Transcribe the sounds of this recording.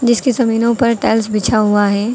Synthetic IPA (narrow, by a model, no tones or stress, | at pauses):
d͡ʒɪskisɐmiːnõpɐɾʈɛːlsbɪt͡ʃʰaɦuaɦɛː